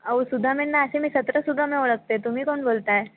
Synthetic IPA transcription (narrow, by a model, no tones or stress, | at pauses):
əwusud̪ʱːamiɳnːaəsẽmiːsət̪ɾəsud̪ʱːameoɭək̚t̪et̪um̤iːkoɳbolt̪ae